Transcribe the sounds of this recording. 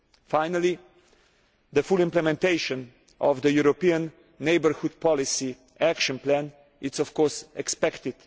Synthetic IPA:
fajnali | d̪əfulĩmplɛmɛ̃nt̪eɪʃɔ̃n | ʔɔvd̪əjuɾopiãnː | eɪbəɾxud̪̚pɔlisi | ækʃɔ̃nplæ̃n | ɪsɔfkɔɹsɛkspɛkt̪ɪd̪̥

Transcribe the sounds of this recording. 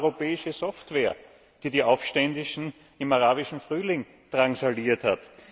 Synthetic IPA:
ʁopɛːɪʃəzɔftv̥eːɐ | d̥iːdiːʔaʊfʃtɛndɪʃn̩ | ɪmaʁaːbɪʃn̩fʁyːlɪŋ | tʁ̥ansaliːɐthat

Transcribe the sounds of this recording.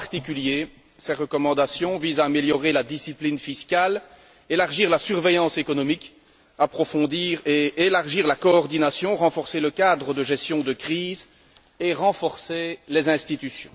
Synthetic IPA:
ʁt̪ikʲylje | sɛʁəkɔmɑ̃d̪asjɔ̃vizaːmeljɔʁelad̪isiplinfiskʲal | elaʁʒiːʁlasyʁvejɑ̃sekɔnɔmik | apχɔfɔ̃d̪iːʁeelaʁʒiːʁlakɔːʁd̪inasjɔ̃ʁɑ̃fɔʁseləkad̪ʁəd̪əʒɛst̪jɔ̃d̪əkχiːz | eʁɑ̃fɔʁselezɛ̃st̪it̪ysjɔ̰̃

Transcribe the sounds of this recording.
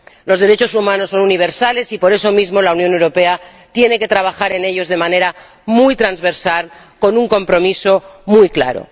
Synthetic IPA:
lo̞zðe̞ɾe̞t͡ʃo̞sumãnosːo̞nuniβ̞e̞ɾsale̞sipo̞ɾe̞so̞mizmo̞launjonewɾo̞pe̞a | t̪je̞ne̞ke̞t̪ɾaβ̞axaɾe̞ne̞ʎo̞zðe̞mãne̞ɾa | mujt̪ɾanzβe̞ɾsal | ko̞nuŋko̞mpɾo̞miso̞mujkla̰ɾo̰

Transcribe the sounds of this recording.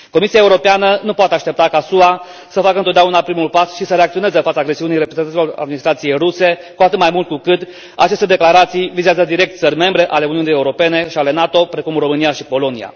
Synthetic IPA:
ko̞misiaeuɾo̞peanənupoat̪eaʃt̪e̞p̚t̪akasua | səfakəɨnt̪od̪d̪ʲaunapɾimulpasʃisəɾe̞akt̪sio̞nezefat̪saːɡɾe̞siunijɾepɾezenailo̞ra̰d̪̚minist̪ɾat̪sije̞jruse̞kuat̪ɨt̪̚majmult̪̚kukɨt̪ | a̰t͡ʃe̞st̪e̞d̪e̞klaɾat̪sijvizeazəd̪iɾe̞k̚t̪̚t̪sərʲme̞mbɾe̞ʔale̞uniunije̞uɾo̞pe̞ne̞ʃiale̞nat̪o̞pɾe̞kumro̞mɨnijaʃipo̞lo̞nija̰

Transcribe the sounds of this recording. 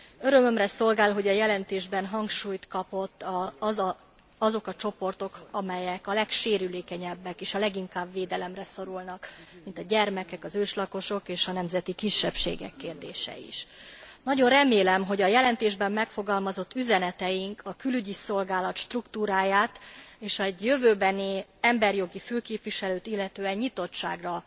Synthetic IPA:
øɾø̞mø̞mrɛso̞lɡaːlɦo̞ɟɒjɛlɛnt̪eːʒbɛnɦɒŋkʃuːjt̪kɒpo̞t̪ː | ɒzo̞kɒt͡ʃo̞po̞rt̪o̞kɒmɛjɛkɒlɛkʃeːɾyleːkɛɲɛbːɛkeːʃɒlɛɡiŋkaːbʋeːd̪ɛlɛmrɛso̞ɾulnɒkmint̪ɒɟɛrmɛkɛkɒzøːʃlɒko̞ʃo̞keːʃɒnɛmzɛt̪ikiʃːɛpʃḛːɡɛ̰kːeːrd̪eːʃɛ̰ḭʃnɒɟo̞nrɛmeːlɛmɦo̞ɟɒjɛlɛnt̪eːʒbɛmːɛkfo̞ɡɒlmɒzo̞t̪ːyzɛnɛt̪ɛjiŋkʰɒkylyɟiso̞lɡaːlɒt̪ʃt̪rukt̪uːɾaːjaːt̪eːʃɛɟjøvøːbɛniɛmbɛrjo̞ɡiføːkeːpʋiʃɛløːt̪ilːɛt̪øːɛɲɲit̪o̞tʃa̰ːɡrɒ

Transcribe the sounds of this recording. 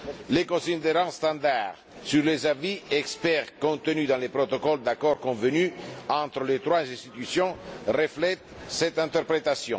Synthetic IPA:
lekõsind̪eɾɑ̃st̪ɑ̃nd̪aʁ | syɾlezaviɛkspɛʁkõnt̪ənyd̪ɑ̃lepɾot̪okɔld̪akɔɾkɔ̃vənyɑ̃nt̪ɾəlet̪ɾwazɛ̃st̪it̪ysjɔ̃rəflɛt̪ | sɛt̪ɛ̃nt̪ɛɾpɾet̪asjɔ̰̃

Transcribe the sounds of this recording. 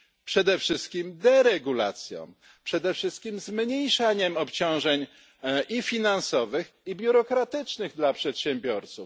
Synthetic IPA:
pʂɛd̪ɛfʂɘst̪̚kʲimd̪ɛɾɛɡula̰t̪sʲjɔ̰̃w̃ | pʂɛd̪ɛfʂɘst̪kʲimzmɲejʂaɲɛmɔpt͡ɕɔ̃w̃ʐɛɲ | ʔifʲinansɔvɘxibʲjuɾɔkɾat̪ɘt͡ʂnɘɣd̪lapʂɛt̪ɕɛmbʲjɔɾt̪suf

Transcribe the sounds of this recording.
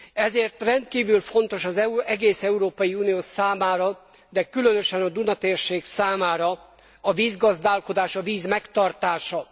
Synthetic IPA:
ɛzeːrt̪rɛnt̪kiːvylfo̞nt̪o̞ʃɒzɛɡeːsɛuɾoːpɒjiuːnijoːsaːmaːɾɒ | d̪ɛkylø̞nøʃɛnɒd̪unɒt̪eːrʃeːksaːmaːɾɒ | ɒviːzɡɒzd̪aːlko̞d̪aːʃɒviːzmɛkt̪ɒrt̪aːʃɒ

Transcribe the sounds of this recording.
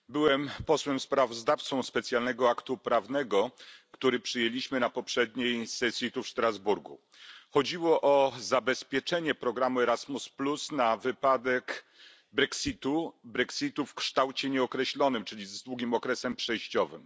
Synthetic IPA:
bɘwɛmpɔswɛmspɾavɔzd̪aft̪sɔ̃w̃spɛt̪sʲjalnɛɡɔakt̪upɾavnɛɡɔkt̪uɾɘpʂɘjelʲiɕmɘnapɔpʂɛd̪ɲejsɛsʲjit̪ufʂt̪ɾazbuɾɡṵ | xɔd͡ʑiwɔʔɔzabɛspʲjɛt͡ʂɛɲɛpɾɔɡɾamuɛɾazmusplusnavɘpad̪ɛk | bɾɛksit̪ubɾɛksʲit̪ufkʂt̪awt͡ɕɛɲɛɔkɾɛɕlɔnɘmt͡ʂɘlʲizd̪wuɡʲimɔkɾɛsɛmpʂɛjɕt͡ɕɔvɘ̰m

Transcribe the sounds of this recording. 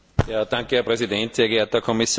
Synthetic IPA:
jaːd̥ãŋkəhɛɐpʁɛzidɛntseːɐɡɛeɐt̚ɐkʰɔmisj

